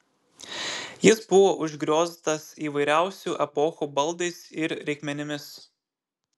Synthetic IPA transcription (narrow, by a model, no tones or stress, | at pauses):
jɪsbʊʋoːʔʊʒʲɡɾʲoːzʲt̪ɐsiːʋɐɪɾʲæˑʊsʲuˑʔɛpɔxuːbɐlˠd̪ɐɪsɪɾɾʲɛɪkʲmʲɛnʲɪmʲɪs